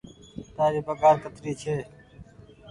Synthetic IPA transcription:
t̪aːɾiːbəɡaːɾkət̪ɾiːt͡ʃʰeː

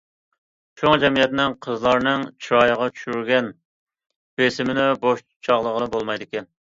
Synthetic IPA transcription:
t͡ʃʰoŋd͡ʒɛmijɛt̪nɪŋqʰəzlˠɑɾnɨŋt͡ʃʰɾɑjəʁɑt͡ʃʰy̥ʃyɾɡʲɛn | b̥esɪmɪnɪboʃ | t͡ʃʰɑʁlˠəʁənɨbolˠmɑjd̪ɪkʲɛn

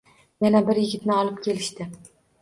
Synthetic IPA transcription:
janabɪɾjɪɡʲɪt̪nɪɒlˠɪp̚kʲʰe̞lɪʃt̪ɪ

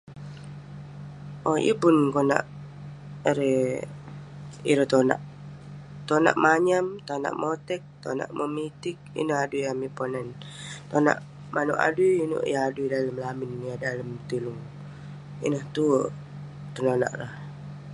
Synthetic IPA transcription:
ʔojə̰pʊnkona̰ʔ | ɾe | ḭɾot̪ona̰ʔ | t̪ona̰ʔmaɲamt̪ona̰ʔmot̪ɛk̚t̪ona̰ʔməmit̪ɪk̚ḭnəhadujamiponant̪ona̰ʔ | manṵʔa̰dujino̰ʔjaaduidaləmlamɪnjadaləmt̪əluŋ | ḭnəht̪u | t̪ənona̰ʔlah

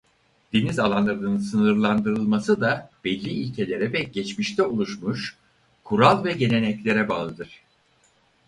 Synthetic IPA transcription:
d̪̥enizalˠanlˠaɾɯnɯnɯnsɯnɯɾlˠand̪ɯɾɯlˠmasɯd̪ab̥ɛlʲːiːlʲcʰe̞lʲe̞ɾɛvɛɟɛt͡ʃmiʃt̪ʰɛulˠuʃmuʃ | kʰuɾalˠvɛɟe̞nʲe̞nɛclʲe̞ɾɛbaːlˠɯd̪ɯɾ̥

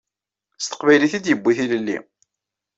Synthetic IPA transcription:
st̪ə̥qvæjliθid̪jəbːiθiləlːḭ

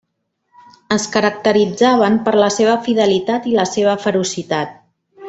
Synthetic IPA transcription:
əskəɾək̚t̪əɾid͡zaβ̞əmpəɾləseβ̞əfiðəlit̪at̪iləseβ̞əfəɾusit̪at̪̚

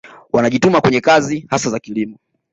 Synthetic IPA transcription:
wanaʄitumakwɛɲɛkazihasazakilimɔ

